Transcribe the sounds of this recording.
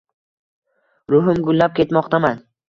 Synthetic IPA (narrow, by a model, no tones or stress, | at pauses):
ɾʊɦʊmɡʊlːap̚kʲe̞t̪mɒqt̪ʰaman